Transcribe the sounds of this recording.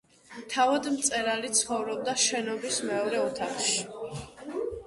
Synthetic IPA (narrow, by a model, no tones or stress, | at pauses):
t̪ʰavad̪mt̪sʼɛɾalit̪sʰχɔvɾɔb̚d̪aʃɛnɔbismɛɔɾɛɔt̪ʰaχʃi